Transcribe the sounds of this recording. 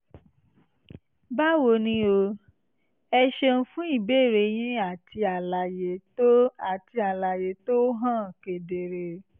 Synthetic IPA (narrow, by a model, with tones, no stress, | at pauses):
ba˦wo˧nĩ˦o˧ | ɛ˧ʃe˧n̩˦fũ˦i˦˨beː˦˨ɾe˨˦j̃ĩ˦a˦˨tʰi˧a˨la˨je˨˦o˦a˨ti˧a˨la˨je˨˦to˦ɦã˦˨ke˨de˨ɾe˧˨